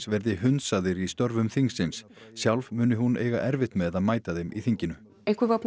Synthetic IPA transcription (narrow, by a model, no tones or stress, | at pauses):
svɛɾðɪɦʏnsaðɪɾist̪œɾvʏmθiŋsɪns | sjawlvmʏːnɪɦuneːjɣa̰ʔɛɾvɪht̪mɛðaðmaːjt̪aðejmiθiɲcɪnʏ | ejŋkvɪvapn